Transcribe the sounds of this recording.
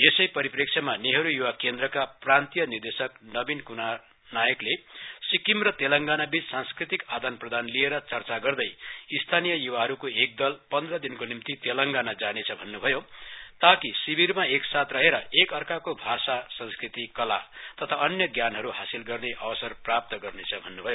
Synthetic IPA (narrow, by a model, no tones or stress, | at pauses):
esʌjpʌɾiprek̚sʰʌmaneɦʌɾujuwakend̪rʌkaprant̪ijʌnird̪esʌknʌbinkuna | najʌklesikimrʌt̪elʌŋɡanabit͡ssanskrit̪ikad̪ʌnprʌd̪anlieɾʌt͡sʌrt͡saɡʌrd̪ʌjist̪ʰanijʌjuwaɦʌɾukoek̚d̪ʌlpʌnd̪rʌd̪inkonimt̪it̪elʌŋɡanad͡zanet͡sʰʌbʱʌnːubʱʌjot̪akisibirmaeksat̪rʌɦeɾʌekʌrkakobʱasasʌ̃ŋskrit̪ikʌla̰t̪ʌt̪ʰaʌnjʌɡjanɦʌɾuɦasilɡʌrneʔʌbʌsʌrprap̚t̪ʌɡʌrnet͡sʰʌbʱʌnːubʱʌjo